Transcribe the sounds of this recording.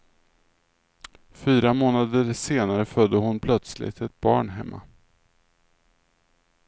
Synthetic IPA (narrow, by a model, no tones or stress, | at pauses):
fyːɾamoːnad̪əɾseːnaɾəfœd̪ːəɦʊnpʰlœt̪slɪ̰t̪ʰɛt̪̚bɑ̰ːɳɦɛmːʔa̰